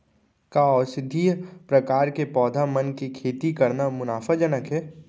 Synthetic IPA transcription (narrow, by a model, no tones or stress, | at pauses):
kaɔːɾsɪd̪ʱipɾɐkaːɾkepɔːd̪ʱamənkikʰeːt̪ikɐɾnamʊnaːfad͡ʒɐnəkɦɛː